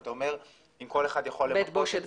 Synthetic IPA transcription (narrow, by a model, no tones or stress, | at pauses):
t̪aome̞ʁ | imko̞leχad̪jaχolːemet̪boʃet̪